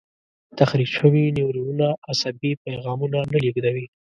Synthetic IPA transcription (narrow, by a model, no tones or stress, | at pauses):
t̪axɾikʃəwiniwɾiwunaasabipajɣɑmunanəliɡd̪awi